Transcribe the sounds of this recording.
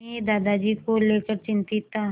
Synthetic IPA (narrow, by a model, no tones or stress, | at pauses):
ed̪aːd̪ad͡ʒikoleːkəɾt͡ʃɪ̃nt̪ɪt̪a